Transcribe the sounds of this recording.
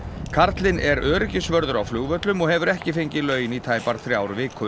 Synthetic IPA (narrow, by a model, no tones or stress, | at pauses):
kʰaɾt̪lɪnɛɾʔœːɾɪcɪsvœɾðʏɾawflʏːɣvœt̪lʏmɔɣhɛvʏɾɛhcɪfejɲcɪlœːɥjɪnit̪ʰaːjpaɾ̥θɾjaːwɾvɪkʰʏ